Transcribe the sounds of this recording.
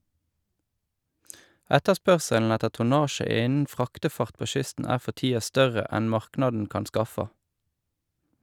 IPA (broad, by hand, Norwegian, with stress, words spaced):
ˈɛtəˌspœʁsəln̩ ˈɛtə tʊˈnɑːʃə ˈɪnn̩ ˈfʁɑːktəˌfɑʁt ˈpoː ˈʃʏstn̩ ˈæː ˈfɔ ˈtiːɑ ˈstœʁə ˈɛn ˈmɑʁknɑdn̩ ˈkɑn ˈskɑfɑ